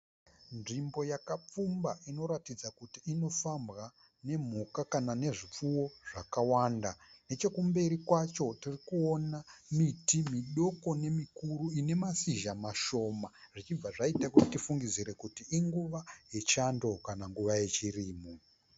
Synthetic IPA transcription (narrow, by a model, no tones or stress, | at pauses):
nʐimbo̞jakap͡fumbaʔino̞ɾatid͡zakutiːno̞fambɣa | ne̞m̤ukakanane̞ʐip͡fuwo̞ʐakawandane̞t͡ʃe̞kumbe̞ɾikwat͡ʃo̞tirikuonamitimiɗo̞ko̞ne̞mikuɾuine̞masiʒamaʃo̞maʐit͡ʃib͡vaʐaitakuti̥tifuŋɡid͡ziɾe̞kutiiŋɡuʋajet͡ʃando̞kanaŋɡuʋaje̞t͡ʃiriːmo